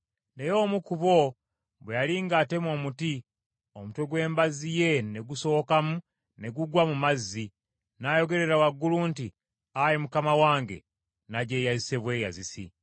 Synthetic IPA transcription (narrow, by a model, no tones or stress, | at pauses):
nejo̞ːmukuβo̞ | bwejaliŋɡate̞mo̞ːmuti | omutoɡwe̞ːmbazije̞ne̞ɡuso̞ːkamu | ne̞ɡuɡwamumazːi | najo̞ɡe̞ɾe̞ɾawaɡːulunti | ajemukamawaːŋɡe̞̰ | naɟe̞jaiseβwe̞ja̰zisḭ